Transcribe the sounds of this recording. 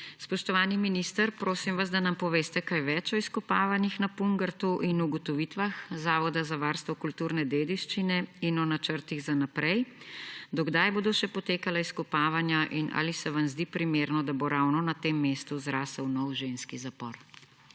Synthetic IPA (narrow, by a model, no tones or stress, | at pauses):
spɔʃt̪ɔʋaːniminist̪əɾpɾoːsimʋazd̪anampɔʋeːst̪ɛkajʋɛt͡ʃɔiskɔpaːʋanixnapuŋɡəɾt̪uʔinuɡɔt̪ɔʋiːt̪ʋaxzaːʋɔd̪azaʋaɾst̪ʋɔkult̪uːɾnɛd̪eːd̪iʃt͡ʃinɛinɔnat͡ʃəɾt̪iɣzanapɾɛjd̪ɔɡd̪ajboːd̪ɔʃɛpɔt̪eːkalaiskɔpaːʋanjaʔinʔa̰ːlisɛʋamzd̪ipɾimeɾnɔd̪aboɾawnɔnat̪emːeːst̪uzɾaːsəwnɔwʒenskizapɔɾ